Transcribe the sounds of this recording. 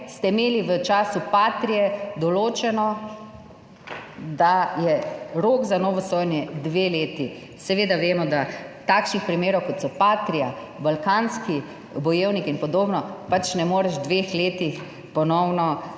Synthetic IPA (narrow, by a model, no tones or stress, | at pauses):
st̪ɛimeːliʋət͡ʃaːsupaːt̪ɾijɛd̪ɔloːt͡ʃɛnɔ | d̪ajɛɾoːɡzanɔːʋɔsoːjnjɛd̪ʋeːleːt̪i | sɛʋeːd̪aʋeːmɔd̪at̪aːkʃnixpɾimeːɾɔwkɔt̪sɔpaːt̪ɾia | balkaːnski | bɔjeːwnikinpɔd̪oːbnɔpat͡ʃnɛmoːɾɛʒd̪ʋexleːt̪ix | pɔnɔwnɔ